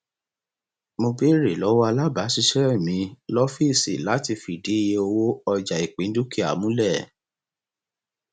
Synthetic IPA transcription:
mo˧bi˦ɾe˨lɔ˨˦wɔ˦a˧la˦ba˨˦ʃi˧ʃɛ˦i˦˨mĩ˨˧˦lɔ˦fi˦˨sḭ˨la˨˦ti˧fi˨di˨˦i˦˧je˧o˧wo˦ɔ˧d͡ʒa˨i˨k͡pĩ˨˦n̩˦du˦ki˦a̰˨mũ˦lɛ˦˨

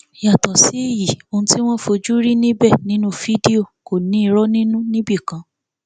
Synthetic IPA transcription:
ja˨tɔ˨si˨˦e˦˨ji˨o˧ũ˧ti˦w̃ɔ̃˦fo˧d͡ʒu˦ɾi˦nĩ˦bɛ˦˨nĩ˦nũ˦fi˦di˦o˦˨ko˨nĩ˨˦i˧˦ɾɔ˦nĩ˦nũ˦nĩ˦bi˦˨kã˨˦

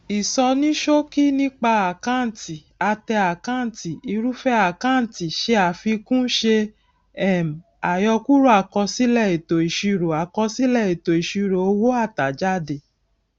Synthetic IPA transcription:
i˨sɔ˧nĩ˦ʃo˦ki˦nĩ˦k͡pa˧a˨kã˦˨n˨ti˨ | a˧tɛ˧a˨kã˦˨n̩˨ti˨i˧ɾu˦fɛ˦a˨kã˦˨n̩˨ti˨ʃe˧˦a˨fi˧kũ˦ʃe˧ | ɛ˦˨m̩˨ | a˨jɔ˧ku˦ɾu˦a˨kɔ˧si˦lɛ˦˨i˨to˨i˨ʃi˧ɾo˨a˨kɔ˧si˦lɛ˦˨i˨to˨i˨ʃi˧ɾo˨o˧wo˦a˦˨ta˨d͡ʒa˦de˨

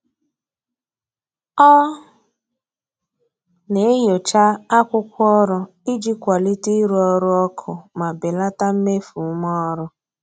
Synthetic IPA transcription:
ɔ˦ | ne˨˦jo˨t͡ʃa˦a˦kʷʊ˦kʷɔ˦ɾʊ˦ | i˦d͡ʒi˦kʷa˨li˦ti˦ɾu˦ɔ˦ɾʊ˦ɔ˦kʰʊ˨ma˨bɪ˨la˦ta˦m̩˦me˦fu˨˦mɔ˦ɾʊ˦

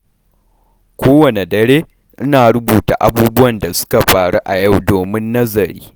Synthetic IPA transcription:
kʷʰoː˦wɐ˨ne˨dɐ˨ɾeː˦ | ʔɪ˦naː˨ɽʊ˦buː˨ta̰˨ʔa˦buː˦bʊ˦wɐ˨nda˨sʊ̥˦ka˨ɸaː˨ɽu˦ʔa˨ja˦˨wdoː˨mɪ˦nːɐ˦zɐ˨ɾiː˦

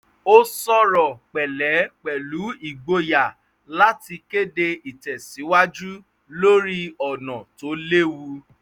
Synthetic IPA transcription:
o˦sɔ˦ɾɔ˨k͡pɛ˨lɛ˨˦k͡pɛ˨lu˨˦i˦˨ɡ͡bo˧ja˨ | la˦ti˧ke˦de˧i˨tɛ˨si˨˦wa˦d͡ʒu˦ | lo˦ɾi˦ɔ˨nɔ̃˨to˨˦le˦wu˧

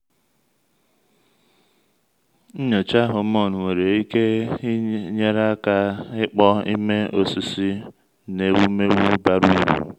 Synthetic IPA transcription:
n̩˦ɲo˨t͡ʃa˦ɦʊ˨˦mɔ˦˨nʊ˨we˨ɾe˨i˦ke˦ | ɲe˦ɾa˦ka˦ɪ˦k͡pɔ˦ḭ˦me˦o˨si˦si˦ | ne˨wu˦me˦ɾu˦ba˦ɾu˦i˦ɾṵ˨

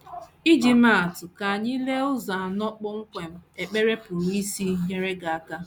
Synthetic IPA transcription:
i˦d͡ʒi˨ma˦˨tʊ˨ka˨a˨ɲi˦le˦ʊ˦za˨a˨nɔ˦k͡pʊ˦ŋ̩˦kʷe˨m̩˦e˨k͡pe˦ɾe˦pʊ˨ɾi˦si˦ɲe˦ɾe˦ɡa˨a˨ka˦

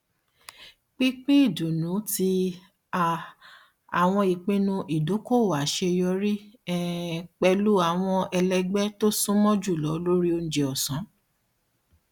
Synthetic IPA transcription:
k͡pĩ˦k͡pĩ˦i˦˨du˨nũ˨˦ti˧ | a˨ | a˨w̃ɔ̃˧i˨k͡pĩ˦nũ˧ʔi˨do˨˦ko˦˨wa˨ʃe˧jɔ˧˦ɾi˦ɛ˦k͡pɛ˧lu˦a˦˨w̃ɔ̃˧ɛ˧lɛ˧ɡ͡bɛ˦to˦sũ˦mɔ̃˦d͡ʒu˦˨lɔ˨˦lo˦ɾi˦o˧ñ̩˧d͡ʒe˧ɔ˨sɔ̃˨˦

